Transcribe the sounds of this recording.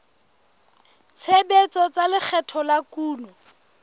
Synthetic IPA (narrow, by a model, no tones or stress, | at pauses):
t͡sʰebet͡sɔt͡salɪk͡xʰɛtʰɔlakuːnɔ